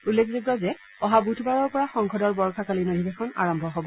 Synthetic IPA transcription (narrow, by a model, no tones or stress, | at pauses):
ulːekʰziɡɹɔzɛ | ɔɦabutʰbaɹɔɹpɔɹaxɔŋkʰɔdɔɹbɔɹkʰakalinodʱibexɔna̰ɹɔmbʱɔɦobɔ